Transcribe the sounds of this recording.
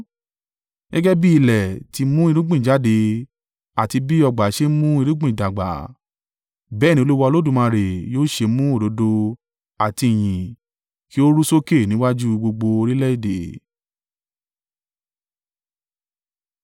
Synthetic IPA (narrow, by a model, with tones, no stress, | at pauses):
ɡɛ˦ɡɛ˦bi˦i˧lɛ˨ti˧mũ˦i˧ɾũ˦ɡ͡bĩ˦˨d͡ʒa˨˦de˧ | a˨ti˧bi˦ɔ˧ɡ͡ba˨˦ʃe˦mũ˦i˧ɾu˦ɡ͡bĩ˦˨da˨ɡ͡ba̰˨˦ | bɛ˨˦˨nĩ˧o˧˦u˦wa˧lo˦dũ˦˨mã˧ɾe˨joː˦ʃe˧mũ˦o˦˨do˨˦do˧ | a˨ti˧i˨j̃ĩ˨ | ki˦o˦ɾu˦so˦ke˦˨nĩ˨˦wa˦d͡ʒu˦ɡ͡bo˧ɡ͡bo˧o˧ɾi˦lɛ˦i˦˨de˨˦